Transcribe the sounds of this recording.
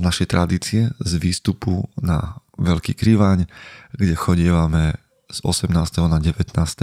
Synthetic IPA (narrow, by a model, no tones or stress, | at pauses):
znaʃɛjt̪ɾʔad̪iːt͡siɛzʋiːst̪upuna̰ʋɛlkḭːkɾiʋaːɲɡɟɛxɔɟɪɛʋamɛ | z̥ɔ̰sɛmnaːst̪ɛɦɔnaɟɛʋɛt̪naːst̪ɛ